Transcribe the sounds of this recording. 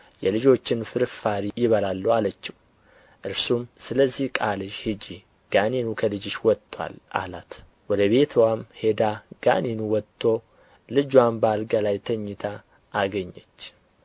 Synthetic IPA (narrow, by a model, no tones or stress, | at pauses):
jɛlɨd͡ʒo̞t͡ʃːɪnfɨɾfaɾijɪβəlalːuwalət͡ʃːɪw | ʔɨɾsumsɨləzːihkʼalɨʃhɨd͡ʒi | ɡ̥aninukʰəlɨd͡ʒɪʃwɔt̪ʰʼːwa̰lʔa̰lat̪ | wɔd̪əβe̞t̪ʰwamhe̞d̪aɡ̥a̰ninuwɔt̪ʰʼːo̞ | lɨd͡ʒwambalɡalajt̪ʰəɲːɪt̪ʰaː | ɡəɲːɛt͡ʃː